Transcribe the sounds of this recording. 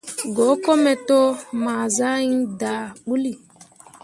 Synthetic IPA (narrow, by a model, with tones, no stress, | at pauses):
ɡo˨˦ko˦mɛ˨to˦ma˨za˦i˦nda˨ɓu˦li˨